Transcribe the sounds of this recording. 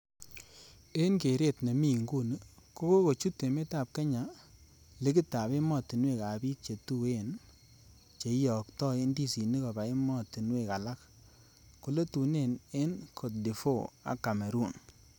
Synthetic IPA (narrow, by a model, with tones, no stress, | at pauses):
e˦nke˨ɾe˦˨tne˨mi˦˨ŋɡu˦˨n˦ko˦ko˦ko˨t͡ʃu˦tːe˨me˦ta˦˨p̚kɛ˦ɲa˨ | le˦kɪ˦ta˨be˦mɔ˦˨ti˨nwe˦˨ka˨bi˦t̚t͡ʃe˨tu˦˨e˦˨n | t͡ʃe˨˦jɔ˨ktɔ˦ɪ˦ndi˦si˨ni˦ko˨ba˨e˦mɔ˦˨ti˨nwe˦˨ka˨la˦k | ku˨le˦tu˨ne˦˨ne˦nkʰo˨t̚di˨fo˦˨a̰˨kːa˨me˨ɾu˦˨n